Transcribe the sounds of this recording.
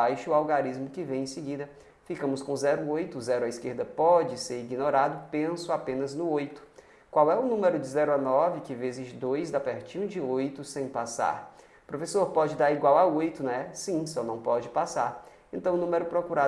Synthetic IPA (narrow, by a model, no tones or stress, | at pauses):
ajʃʊawɡaɾizmʊkɪvẽj̃ẽsɪɡid̪ɐ | fikɐ̃mʊskõzɛɾʊojt̪ʊzɛɾʊaiskeɾd̪ɐpɔd͡ʒɪseɾiɡinoɾad̪ʊpẽsʊapẽnɐznʊojt̪ʊ̥ | kwawɛʊnũmeɾʊd͡ʒɪzɛɾʊanɔvɪkɪvezɪzd̪ojzd̪apɛɾt͡ʃĩɐ̃d͡ʒɪojt̪ʊsẽj̃pasa̰ɾ | pɾofesoɾpɔd͡ʒɪd̪aɾiɡwawaojt̪ʊnɛsĩsɔnɐ̃w̃pɔd͡ʒɪpasaɾ | ẽnt̪ɐ̃w̃ʊnũmeɾʊpɾokuɾa